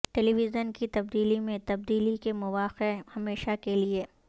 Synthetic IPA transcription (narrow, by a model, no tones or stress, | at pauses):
ʈɛliʋɪzənkit̪ɐb̚d̪iːlimẽt̪ɐb̚d̪iːlikemʊʋaːqehɐmeːʃakelie